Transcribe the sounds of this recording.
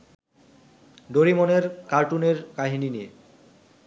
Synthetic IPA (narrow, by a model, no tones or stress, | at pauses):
ɖoɾimoneɾkaɾʈuneɾkaɦininie